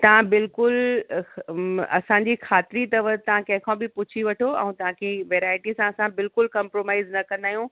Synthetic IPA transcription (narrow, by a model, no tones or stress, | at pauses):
t̪ɐʋ̤ãbɪlkʊl | ɐ̰sãɲd͡ʑixʰaːt̪ɪɾit̪ɐʋət̪ːɐʋ̤ãkɐ̃ɦɪ̃kʰãbɪpʊt͡ɕʰiʋɐʈʰoɛ̰̃ũt̪ɐʋ̤ãkʰeʋeːɾaːɪʈisãɐsãbɪlkʊlkɐ̃mpɾoːmaːɪznɐkɐ̃nd̪aːjũ